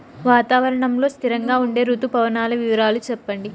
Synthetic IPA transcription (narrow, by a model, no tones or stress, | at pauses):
ʋaːt̪aːʋɐɾɐɳɐmlo̞ːst̪ʰiɾɐŋɡaːuɳɖe̞ːɾuːt̪upɐʋɐnaːlɐʋiʋɐɾaːlut͡ʃɛpːɐɳɖi